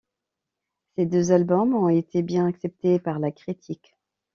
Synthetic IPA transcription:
sed̪øzalbɔmɔ̃et̪ʰebjɛ̃naksɛp̚t̪epaʁlakχit̪ʰik

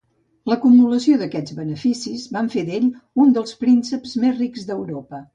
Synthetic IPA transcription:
ləkumuləsioðəkɛd͡zβənəfisizβaɱfeðeʎund̪əlˠspɾinsəpzmezrikzðəwɾopə

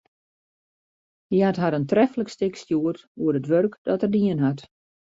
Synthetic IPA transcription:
dihatɦaɾəntrɛfləkstɪkstjuərtuəɾətʋørkd̥ɔtərdiənɦat

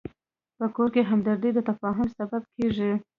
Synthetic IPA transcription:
pəkoɾkeɦamd̪aɾd̪əjd̪ət̪afɑɦʊmsabab̚kʰeʐi

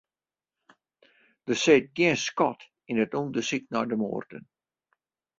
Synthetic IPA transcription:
d̥əseːt̚ɡiənskɔt | inətundəsik̚nɔjdəmo̰ːrdə̰n

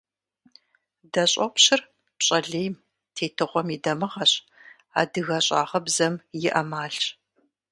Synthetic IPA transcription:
dɐɕʼɐpʷɕɪr | ɕʼɐɮeːjm | tʰeːtʰɨʁʷɔmidɐmɨʁɐɕ | a̰ːdɨɣɐɕʼa̰ːʁɐbzɐmjɪʔɐmaːɬ

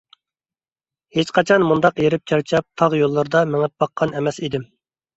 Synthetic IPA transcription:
het͡ʃqɑt͡ʃʰɑnmund̪ɑqjeɾɪp̚t͡ʃʰɛɾt͡ʃʰɑp̚t̪ʰɑʁjolˠːɨɾd̪ɑmɪŋɪp̚bɑqʰːɑnɛmɛsid̪ɪm

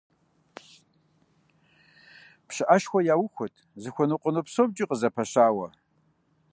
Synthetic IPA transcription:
pʰʂɨʔaʃxʷɔjaːwʊxʷʊtʰzɨxʷʊnɨqʷʼənɨpsob̚d͡ʒʼɪqʼəzɐpʰɐɕaːwɐ̰

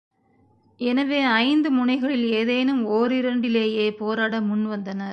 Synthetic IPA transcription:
ɛnɐʋeːɐɪnd̪ɯmʊɳɐɪɣɐɭɪleːðeːnɯmoːɾɪɾɐɳɖɪleːjeːpoːɾaːɽɐmʊnʋɐnd̪ɐnɐɾ

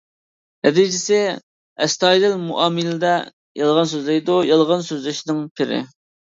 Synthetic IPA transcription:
ɛd̪id͡ʒɪsɪ | ɛst̪ɑjlɪlmuʔɑːmɨlɪd̪ɛ | jɑlˠʁɑns̬øzlɪjd̪ujɑlˠʁɑnsøzlɪʃnɪŋpʰɪɾɪ̰

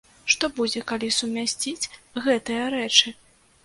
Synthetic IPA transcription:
ʂt̪ɔbud͡zʲɛkalʲisumʲasʲt͡sʲit͡sʲɣɛt̪ɨjɐɾɛt͡ʂɨ

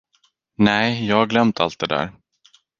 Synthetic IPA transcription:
nɛɪjɑːhaɡlœmt̪ʰa̰lt̪̚d̪ɛd̪æ̰ːɾ

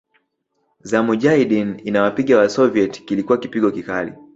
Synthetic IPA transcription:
zamuʄaiɗininawapiɠawasɔviɛtkilikuwakipiɠɔkikalḭ

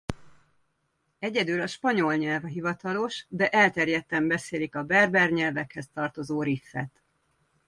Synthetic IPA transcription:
ɛɟɛd̪ylɒʃpɒɲo̞lɲɛlvɦivɒt̪ɒlo̞ʃd̪ɛʔɛlt̪ɛrjɛt̪ːɛmbɛseːlikɒbɛrbɛrɲɛlvɛkhɛst̪ɒrt̪o̞zoːɾifːɛ̰t̪

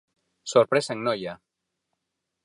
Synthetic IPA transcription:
soɾpɾesaeŋnoja

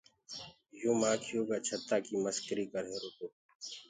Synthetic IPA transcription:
joːmãːkʰijoːɡat͡ʃʰɐt̪ːakimɐskəɾikɐɾɦẽɾokoː

